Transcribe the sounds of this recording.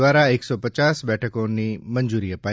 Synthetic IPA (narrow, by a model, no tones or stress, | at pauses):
ʋaɾaeksɔpət͡ʃasbɛʈʰəkonimənd͡ʒuɾiːəpa